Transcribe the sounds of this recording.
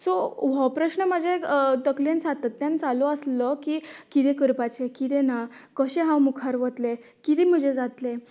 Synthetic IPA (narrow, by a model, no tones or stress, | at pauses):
soʋəwpɾəɕnəməd͡ʑet̪əkljent͡sat̪at̪ːjant͡saloəsləkikit̪ẽkəɾpat͡ɕekit̪enakəɕẽɦãwmukʰaɾʋət̪le | kit̪ɛm̤əd͡ʑed͡zat̪le